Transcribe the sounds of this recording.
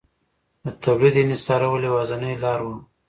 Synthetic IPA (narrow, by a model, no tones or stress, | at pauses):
d̪ət̪awlid̪enɪst̪ɑɾawəlewɑzanəjlɑɾwu